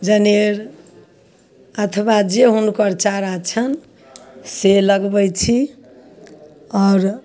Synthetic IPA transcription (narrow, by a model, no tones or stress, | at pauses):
d͡ʒəneɾ | ət̪ʰəbad͡ʒeɦunukəɾt͡ʃaɾat͡ʃʰən | seləɡbəjt͡ʃʰi | ɔɾ